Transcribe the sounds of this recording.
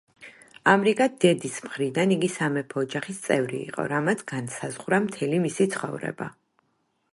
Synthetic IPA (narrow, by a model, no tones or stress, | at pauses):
amɾikʼad̪ɛd̪ismχɾid̪aniɡisamɛpʰɔːd͡ʒaχist̪sʼɛvɾḭːqʼɔ̰ɾamat̪sʰɡansazʁɾamt̪ʰɛlimisit̪sʰχɔ̰vɾɛ̰ba̰